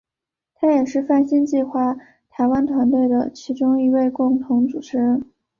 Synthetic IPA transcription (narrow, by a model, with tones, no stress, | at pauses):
t̪ʰa˥jɛ˨˩ʂɻ̩˥˧fa˥˩nɕi˥nt͡ɕi˥˧xwa˥˩ | t̪ʰa˧˥ɪwa˥nt̪ʰwa˧˥nt̪we˥˩ɪd̪ə˩t͡ɕʰi˧˥ʈ͡ʂʊ˥ŋi˧˥we˥˧ɪkʊ˥˩ŋt̪ʰʊ˧˥ŋt͡su˨˩ʈ͡ʂʰɻ̩˧˥˩n